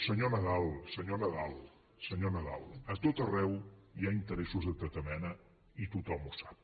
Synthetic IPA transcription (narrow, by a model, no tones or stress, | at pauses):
səɲonəðalˠsəɲonəðalˠ | səɲonəða̰lˠət̪ot̪ərɛwjaint̪əɾɛsuzðət̪ət̪əmɛnə | it̪ut̪ɔmusḁp̚